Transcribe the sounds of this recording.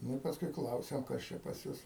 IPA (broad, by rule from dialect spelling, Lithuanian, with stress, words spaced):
ˈnʊ ɪ pɐsˈkʊɪ ˈklˠɐʊsʲɛm ˈkɐs t͡ʃʲɛ pɐs ˈjʊs